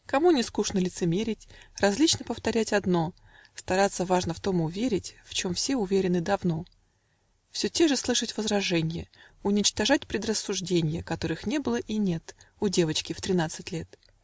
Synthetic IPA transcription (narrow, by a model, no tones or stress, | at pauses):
kɐmunʲɪskuʂnəlʲɪt̪sɨmʲeɾʲɪtʲrɐzʲlʲit͡ɕnəpəft̪ɐɾʲætʲɐd̪no̞ | st̪ɐɾat̪sːəvaʐnəft̪o̞mʊvʲeɾʲɪtʲft͡ɕo̞mfsʲe̞ʊvʲeɾʲɪnɨd̪ɐvno̞ | fsʲɵtʲeʐɨslˠɨʂətʲvəzɾɐʐɛnʲɪjəʊnʲɪt͡ɕt̪ɐʐatʲpɾʲɪd̪rəsːʊʐdʲenʲɪjəkɐt̪o̞ɾɨxnʲe̞bɨlˠəʔinʲe̞t̪ʊdʲe̞vət͡ɕkʲɪft̪ɾʲɪnat̪sɨtʲlʲe̞t̪